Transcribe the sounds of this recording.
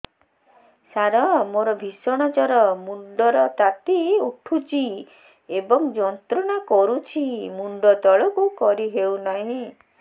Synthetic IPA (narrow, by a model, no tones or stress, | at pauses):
saɾɔmoɾɔbʱisɔɽ̃ɔt͡ʃɔɾɔmuɳɖɔɾɔt̪at̪iuʈʰut͡ʃʰi | ebɔŋd͡ʒɔnt̪ɾɔɽ̃akɔɾut͡ʃʰimuɳɖɔt̪ɔɭɔkukɔɾiɦewnaɦĩ